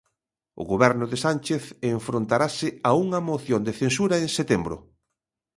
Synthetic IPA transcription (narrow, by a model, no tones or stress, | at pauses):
ʊ̰ɣoβɛɾnʊðesant͡ʃeθeɱfɾont̪aɾasɪauŋɐmoθjond̪eθensuɾaeŋset̪embɾʊ̰